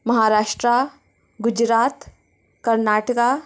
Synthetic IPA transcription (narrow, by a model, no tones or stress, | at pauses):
mɐɦaːɾaːʃʈɾa | ɡʊd͡ʒɾaːt̪ | kɐɾnaːʈəka